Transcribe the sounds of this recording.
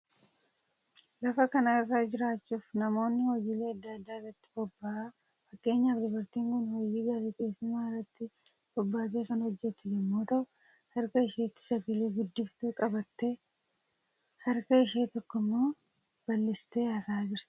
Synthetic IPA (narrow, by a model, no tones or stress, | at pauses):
lɐfɐkɐnaɪrːaːd͡ʒɪɾaːt͡ʃːuːfnɐmo̞ːnːɪhɔjiːle̞ːɐd̪ːɐɐd̪ːaːɪrɐt̪ːɪ̥bɔbːɐa | fɐkʼːe̞ːɲːaːfd̪ɪbɐɾt̪iːŋkʊnhɔjiːɡaːt̪eke̞ːsːʊmaːɪrːɐt̪ːɪ | b̥ɔbːaːt̪̬eːkɐnhɔd͡ʒːɛt̪ːʊd͡ʒɛmːoːt̪ɐʔʊ | hɐɾkɐɪʃeːt̪ːɪ̥sɐɡɐleːɡʊd̪ːɪft̪uːkʼɐbɐt̪ːe̞ː | hɐɾkɐɪʃeːt̪ɔkːɔmːo̞ː | b̥ɐlːɪst̪e̞ːɐsaːd͡ʒɪɾt̪